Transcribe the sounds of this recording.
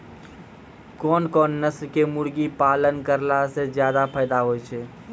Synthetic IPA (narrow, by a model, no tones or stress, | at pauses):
kɔːnkɔːnːəsɾkemʊɽɡipaːlənkəɾlased͡ʒjaːd̪apʰəːd̪aɦoːjt͡ʃʰɛː